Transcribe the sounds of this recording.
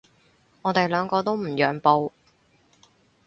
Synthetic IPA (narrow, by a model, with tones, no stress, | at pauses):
ŋɔː˨˧t̪e˨jlœː˨˧ŋkɔː˧t̪o˥wm̩˨˩jœː˨˩ŋpo˧w